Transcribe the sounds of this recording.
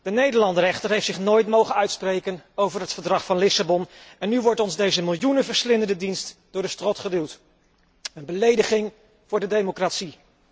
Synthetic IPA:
d̥ənejdəɹlɑndərɛχtərɦejftsɪχnoːjtmowχənœɥtsprejkənowvəɹɦətfəɹdrɑχfɑnlɪsabɔnɛnːyʋɔɹtɔnzdejzəmɪlˠjunəvəɹslɪndəndədinstd̥ʊːɹdəstrɔtχədiwˠt | ənbəlejdəχɪŋ | vʊːɹdədejmokratsi

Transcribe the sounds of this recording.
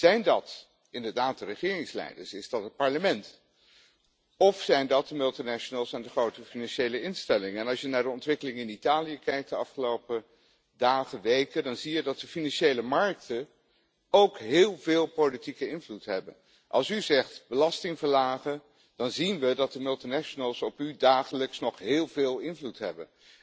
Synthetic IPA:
z̥ɛjndɑt | ɪndəɹdaːt̚dərəχɪːrɪŋslɛ̰jdəɹsɪzdɑtɦət̚pɑɹləmɛnt | ɔfsɛjndɑt̚dəmɵlˠtinɛʃənəlˠsɛndəχrowtəfinɑnʃejləɪnstɛlɪŋəɛnɑlˠsjənaːɹdəɔntʋɪkəlɪŋɪnitaːlijəkɛjk̚d̥əɑfχəlowpə | daːχəʋejkəndɑnzijədɑt̚dəfinɑnʃejləmɑɹk̚tə | owkɦɪːlˠvɪːlˠpowlitikəɪnvlutɦɛbə̰n | ʔɑ̰lˠsyzɛχtbəlɑstɪŋvəɹlaːχən | d̥ɑnzinʋədɑt̚dəmɵlˠtinɛʃənəlˠsɔpydaːχələksnɔχɦɪːlˠvɪːlˠɪnvlutɦɛ̰bə̰n

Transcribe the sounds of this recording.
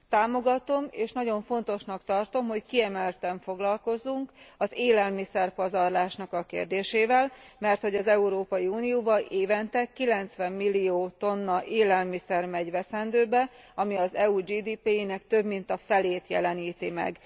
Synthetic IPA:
t̪aːmo̞ɡɒt̪o̞meːʃnɒɟo̞ɱfo̞nt̪o̞ʃnɒkt̪ɒrt̪o̞mɦo̞ckiɛmɛlt̪ɛɱfo̞ɡlɒlko̞zuŋkɒzeːlɛlmisɛrpɒzɒrlaːʃnɒkɒkḛːrd̪eːʃeːvɛlmɛrt̪ho̞ɟɒzɛuɾoːpɒjiuːnijoːbɒlʔeːvɛnt̪ɛkːilɛnt̪sʋɛmːilːijoːt̪o̞nːɒʔeːlɛlmisɛrmɛɟʋɛsɛnd̪øːbɛɒmiɒzɛud͡ʒiːd̪iːpeːjinɛkt̪ø̞bmint̪ɒfɛleːt̪jɛ̰lɛniːt̪imɛ̰ɡ

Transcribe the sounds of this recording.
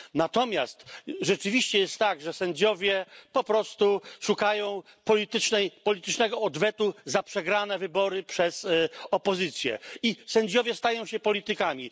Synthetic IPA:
nat̪ɔmʲjast̪ʐɛt͡ʂɘvʲiɕt͡ɕɛjɛst̪ːaɡʐɛsɛɲd͡ʑɔvʲjɛpɔpɾɔst̪uʂukajɔ̃w̃ | pɔlʲit̪ɘt͡ʂnɛjpɔlʲit̪ɘt͡ʂnɛɡɔːd̪vɛt̪uzapʂɛɡɾanɛvɘbɔɾɘpʂɛzɔpɔzɘt̪sʲjɛ̰isɛɲd͡ʑɔvʲjɛst̪ajɔ̃w̃ɕɛpɔlʲit̪ɘkamʲi

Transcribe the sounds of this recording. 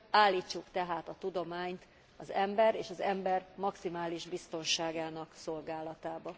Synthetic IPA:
aːlːiːt͡ʃːukt̪ɛɦaːt̪ɒt̪ud̪o̞maːɲt̪ | ɒzɛmbɛɾeːʃɒzɛmbɛrmɒksimaːliʒbist̪o̞nʃaːɡaːnɒkso̞lɡaːlɒt̪aːbɒ

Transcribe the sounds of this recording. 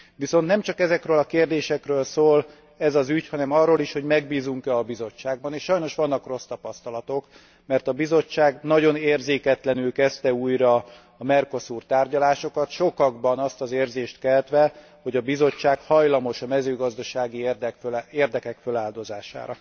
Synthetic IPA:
ʋiso̞nt̪nɛmt͡ʃɒkɛzɛkrøːlɒkeːrd̪eːʃɛkrøːlsoːl | ɛzɒzychɒnɛmɒrːoːliʃho̞ɟmɛɡ̚biːzuŋkɛɒbizo̞t͡ʃːaːɡ̚bɒneːʃʃɒjno̞ʃʋɒnːɒkro̞st̪ɒpɒst̪ɒlɒt̪o̞k | mɛrt̪ɒbizo̞t͡ʃːaːɡnɒɟo̞neːrzeːkɛt̪lɛnylkɛst̪ɛuːjɾɒː | mɛrko̞suːrt̪aːrɟɒlaːʃo̞kɒt̪ʃo̞kɒɡbɒnɒst̪ɒzeːrzeːʃt̪kɛlt̪ʋɛ | ho̞ɟɒbizo̞t͡ʃːaːkhɒjlɒmo̞ʃɒmɛzøːɡɒzd̪ɒʃaːɡid̪køeːrd̪ɛkɛkfølaːld̪o̞zaːʃa̰ːɾɒ̰

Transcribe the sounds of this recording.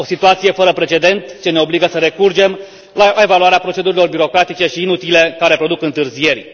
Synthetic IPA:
o̞sit̪uat̪sije̞fəɾəpɾe̞t͡ʃe̞d̪e̞nt̪t͡ʃe̞ne̞o̞bliɡəsəɾe̞kurd͡ʒe̞m | lae̞valuaɾeapɾo̞t͡ʃe̞d̪uɾilo̞rbiɾo̞kɾat̪it͡ʃe̞ʃiːnut̪ilekaɾe̞pɾo̞d̪ukɨnt̪ɨrzije̞rʲ

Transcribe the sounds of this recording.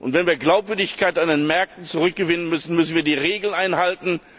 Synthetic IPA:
ʔʊ̰ntv̥ɛnviːɐɡlaʊpv̥ʏɐdɪçkaɪtandenmɛɐk̚tn̩t͡suʁʏk̚ɡ̥əvɪnənmʏsn̩mʏsn̩viːɐdiːʁeːɡl̩nʔaɪnhaltn̩

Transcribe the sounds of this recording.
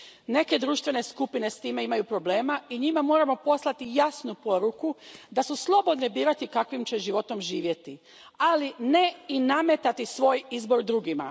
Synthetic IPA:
ne̞ke̞d̪ɾuːʃt̪ʋe̞ne̞skupine̞st̪iːme̞imajupɾo̞ble̞ːmaiɲimamo̞ːɾamo̞po̞slˠat̪ijasnupo̞ɾukud̪asuslˠo̞bo̞d̪nebiːɾat̪ikakʋimt͡ɕe̞ʒiʋo̞t̪o̞mʒiːʋje̞t̪i | aline̞iname̞t̪at̪isʋo̞ːjizbo̞ɾd̪ɾuɡima̰

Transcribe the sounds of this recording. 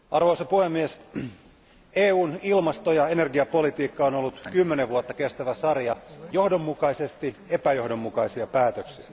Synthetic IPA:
ɑrʋoisɑpuhemːies | eːuːnilmɑst̪ojɑene̞rɡiɑpo̞lit̪iːkːɑonolːut̪kymːeneʋʋuot̪ːɑkest̪æʋæsɑrjɑjo̞hdomːukɑisest̪iepæjo̞hdo̞mːukɑisiɑpæːt̪øksiæ

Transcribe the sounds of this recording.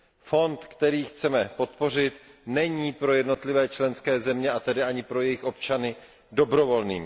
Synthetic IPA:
fo̞nt̪kt̪ɛɾiːxt͡sɛmɛpo̞t̪̚po̞r̝ɪt̪nɛɲiːpɾo̞jɛdno̞t̪lɪvɛːt͡ʃlɛnskɛːzɛmɲɛat̪ɛdɪʔaɲɪpɾo̞jɛjɪxʔo̞pt͡ʃanɪ | do̞bɾo̞vo̞lniːm

